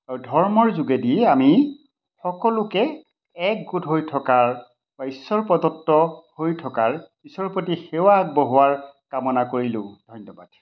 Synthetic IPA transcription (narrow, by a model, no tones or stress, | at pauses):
aɹudʱɔɹmɔɹzuɡɛdiɛami | xɔkɔlʊkɛː | k̚ɡutɦojtʰɔkaɹ | baisɔɹpɔdɔttːɔhojtʰɔkaɹ | isɔɹpotixewaːɡ̚bɔɦʊwaɹkamɔnakoɹilʊ̃d̥ʱɔjnːɔbad̥̚